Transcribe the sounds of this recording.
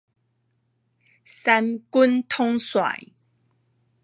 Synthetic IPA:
sa˧nku˦nt̪ʰo˥ŋswa̰˨˩˨j

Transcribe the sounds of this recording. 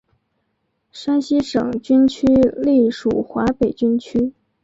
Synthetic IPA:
ʂa˥nɕi˥ʂɤ̰˨˩ŋt͡ɕy˥nt͡ɕʰy˥li˥˩ʂṵ˨˩xwa˧˥pe˨˩ɪt͡ɕy˥nt͡ɕʰy˥

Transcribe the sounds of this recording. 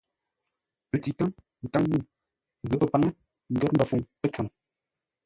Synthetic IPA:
pə˨˦ti˨ta˦ŋ | n̩˨ta˦ŋmu˦˨ | ɣə˨˦pə˦˨pa˨˦ŋə˦ | ŋ̩˨ɡə˦m̩˦ba˨fu˨ŋpə˦t͡sa˨ŋ

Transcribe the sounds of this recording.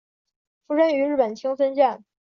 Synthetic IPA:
fu˥ʂə˥ny˧˥ɻ̩˥˩pə˨˩nt͡ɕʰi˥ŋsə˥nt͡ɕjɛ˥˩n

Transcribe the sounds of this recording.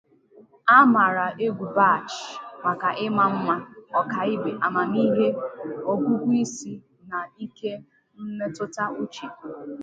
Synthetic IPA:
a˦ma˨ɾa˨ʔe˦ɡʷu˨ba˦˨t͡ʃma˨ka˨ʔɪ˦ma˨m̩˦ma˦ɔ˨ka˨ɪ˦be˨ʔa˨ma˨ni˦ɦe˦o˦ɡʷu˦ɡʷi˦si˦ | na˨i˦ke˦ | n̩˦ne˦tʊ˦ta˦u˦t͡ʃi˨

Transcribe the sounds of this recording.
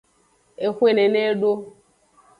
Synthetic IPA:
e˨xʷe˦˨ne˨ne˦ɖo˦

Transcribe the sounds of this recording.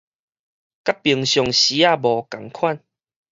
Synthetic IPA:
ka˦pːi˨˩əŋɕjɔ˨˩ŋɕi˨˦a˥˧˨bɔ˨˩ka˨˩ŋkʰwa˥˨n

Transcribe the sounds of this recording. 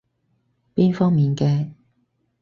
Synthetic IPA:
piː˥nfɔː˥ŋmiː˨nkɛː˧

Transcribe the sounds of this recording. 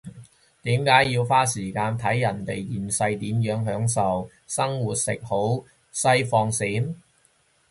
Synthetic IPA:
t̪iː˨˥mkaː˨˥jjiː˧wfaː˥siː˨˩kaː˧nt̪ʰɐ˨˥jːɐ˨˩nt̪e˨jjiː˨˩nsɐ˧jt̪iː˨˥mjœː˨˥ŋɦœː˨˥ŋsɐ˨w | sɐ˥ŋwuː˨t̚sɪ̰˨k̚ho˨˥w | sɐ˧jfɔː˧ŋsiː˨˥m

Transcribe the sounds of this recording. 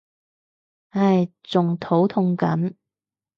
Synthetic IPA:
a˥˧˩jt͡sʊ˨ŋt̪ʰo˨˥wt̪ʰʊ˧ŋkɐ˨˥n

